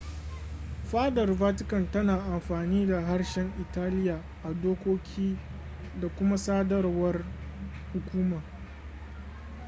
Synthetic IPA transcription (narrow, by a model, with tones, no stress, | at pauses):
ɸaː˦dɐ˨rbaː˦t̬ɪ˦kɐ˨ntɐ˦naː˨ʔa˨mɸaː˨niː˦da˨ɦa˦rʃɛ˦ŋʔɪ˨taː˦lɪ˦jaː˨ | ʔa˨doː˦kʷoː˦kʲʰiː˦ | da˨kʷʊ˦ma˦saː˦dɐ˦rwɐ˦r | hʊ˨kʷuː˦ma˨